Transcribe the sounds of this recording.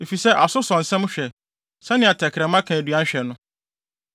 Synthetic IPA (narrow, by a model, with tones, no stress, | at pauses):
e˨fi˨sɛ˦ʔa˨sʊ˦sɔ̃˨n̩˨sɛ̃˦m˦ɕᶣɛ˨ | sɛ̃˦nɪ̃˦a˨tʰɛ˨kʰɾɛ̃˨mã˦kʰã˨æ˨dɥã˦ɕᶣɛ˨nʊ̃˦